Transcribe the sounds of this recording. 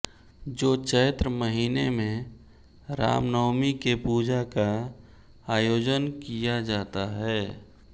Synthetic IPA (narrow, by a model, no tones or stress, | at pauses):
d͡ʒoːt͡ʃəːt̪ɾəməɦiːnemẽ | ɾa̰ːmnɔːmikepuːd͡ʒaka | aːjoːd͡ʒənkijad͡ʒaːt̪aɦɛː